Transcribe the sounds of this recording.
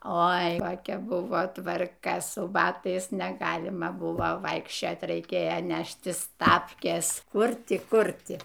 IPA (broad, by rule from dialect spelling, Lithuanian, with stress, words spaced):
ˈoːɪ koːˈkʲɛ ˈbʊʋoː tʋɐrˈkɐ sʊ ˈbɑːtɐɪs nʲɛˈɡɑːlʲɪmɐ ˈbʊʋoː ˈʋɐɪkʃʲt͡ʃʲoːtʲ rɐɪˈkʲeːjoː ˈnʲæːʃʲtʲɪs ˈtɑːpʲkʲeːs ˈkʊr ˈtʲɪ ˈkʊr ˈtʲɪ